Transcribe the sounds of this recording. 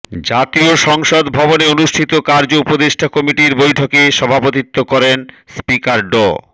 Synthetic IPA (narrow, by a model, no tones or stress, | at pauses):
d͡ʑat̪ioʃɔŋʃod̪bʱɔboneonuʃʈʰit̪okaɾd͡ʑoupod̪eʃʈʰakɔmiʈiɾbojʈʰokeʃɔbʱapot̪it̪ːokɔɾen | spikaɾɖo̰